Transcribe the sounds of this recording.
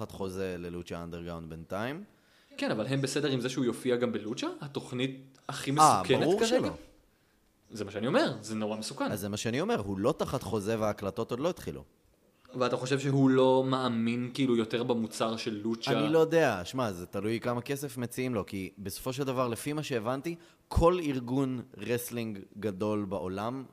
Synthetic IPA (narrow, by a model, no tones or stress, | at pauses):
at̪χo̞zelelut͡ʃaand̪eʁɡʁawnd̪bentaim | kenavalɦe̞mbesedeʁimzeʃeujo̞fiaɡambelut͡ʃahat̪o̞χnit̚ | aχimeasubkbaʁeuʁkaʁʃeloa | zemaʃeanio̞meʁzeno̞ʁamesukanazzemaʃeanio̞me̞ʁhulo̞t̪aχat̪χo̞zeveaːklat̪o̞to̞d̪lo̞it̪χḭlṵ | veat̪aχo̞ʃevʃeɦulo̞maaminkiilujo̞teʁbamut͡saʁʃelːut͡ʃaanilo̞jod̪eaʃmazet̪alujkamake̞sefmet͡siimlo̞kibesofo̞ʃ̬e̞ld̪avaʁle̞fimaʃe̞ːvant̪i | kʰo̞liʁɡunʁesliŋɡɡad̪o̞lbaʔo̞lam